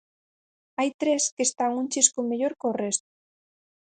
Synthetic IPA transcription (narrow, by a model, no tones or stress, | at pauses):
ajt̪ɾeskest̪aŋunt͡ʃiskomeʎoɾkorest̪o̥